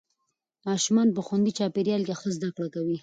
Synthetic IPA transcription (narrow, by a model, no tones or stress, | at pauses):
mɑʃumɑnpəxwand̪it͡ʃɑpeɾjɑlkexəzd̪akɽakawi